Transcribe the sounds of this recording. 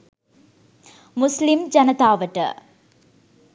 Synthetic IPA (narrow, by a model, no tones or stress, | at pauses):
mʊslɪmd͡ʒɐnɐt̪aːʋɐʈːɐ̰